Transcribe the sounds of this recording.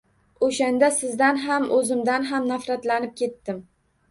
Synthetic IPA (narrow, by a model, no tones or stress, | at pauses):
oʃand̪asɪzd̪anɦamɵzɪmd̪anɦamnafɾat̪lanɪp̚kʲe̞t̪ːɪm